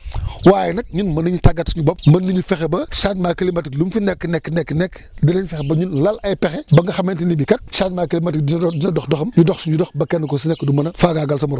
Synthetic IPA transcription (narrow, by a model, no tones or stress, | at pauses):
waːjɛnɐk̚ɲinmɐnuɲutaɡɐtsuɲubɔp̚mɐnːuɲufɛxɛbɐʃaɲmaːkɐlimɐtiklumfinɛkːənɛkːnɛkːnɛkːdinɐɲfɛxɛbɐɲunlɐlɐjpɛxɛbɐŋɡɐxɐmentinibikɐt̚ʃaɲmaːkilimɐtik̚dindinɐdɔxdɔxɐmɲudɔxsuɲudɔxbɐkɛnːɐkɔsinɛkːdumɐnɐfaːɡaɡɐlsɐmuɾɔ